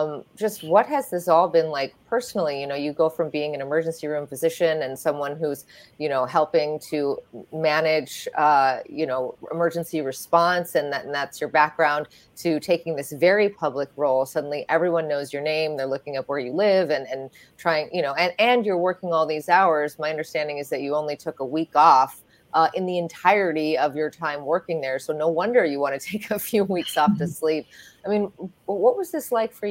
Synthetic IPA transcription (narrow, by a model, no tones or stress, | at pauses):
m̥d͡ʒʌst̚wʌt̚ɦɨzðɪsɔlˠbɨ̃nlaɪk̚pʰɜ˞sn̩l̩ˠijɨnoʊjɨɡoʊfɹʌ̃mbiɪ̃ŋɨ̃nɨmɜ˞d͡ʒɨ̃n̩siɹʉ̃mpɨzɪʃɨ̃nɨ̃nsʌ̃mwʌ̃nhuz | jɨnoʊɦɛlˠpɪ̃ŋtʰɨmænɪd͡ʒʌjɨnoʊɪ̰mɜ˞d͡ʒɨ̃nsiɹɨspɑ̃nsɨ̃nðɨnðætsjə˞bæk̚ɡ̥ɹãʊ̃n | tʰɨtʰeɪkɪ̃ŋðɪsvɛɹipʰʌblɨkɹoʊlˠsʌdⁿn̩liʔɛvɹiwʌ̃nːoʊzjə˞nẽɪ̃mðə˞lʊkɪ̃ŋʌp̚wə˞jɨlɪvɨ̃nɨ̃n | tʰɹ̥aɪɪ̃ŋjɨñoʊɨ̃nɨ̃njə˞wɜ˞kɪ̃ŋɔlˠðizaʊə˞zmaɪʌ̃ndə˞stæ̃ndɪ̃ŋɨzðɨt͡ʃɨõʊ̃nlitʰʊkəwikɔf | ʔʌʔɨ̃nðiɨ̃ntʰaɪɹɨɾiʌvjə˞tʰãɪ̃mwɜ˞kɪ̃ŋðə˞soʊnoʊwʌ̃ndə˞jɨwɑ̃ɾ̃ɨtʰeɪkʰɨfjʉwiksɔftɨslip̚aɪmĩnwʌt̚wʌzðɪslaɪkfə˞